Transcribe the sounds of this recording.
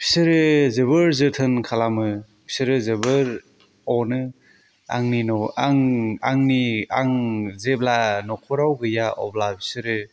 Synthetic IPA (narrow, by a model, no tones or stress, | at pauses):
pʰi̥sɯɾɯzebɯɾzɯtʰɯnkʰalamɯ | pʰi̥sɯɾɯzebɯɾ | ɔnɯ | a̰ŋninɔaŋaŋniaŋzeblanɔkʰɔɾawɡɯjaʔɔ̰blapʰi̥sɯɾɯ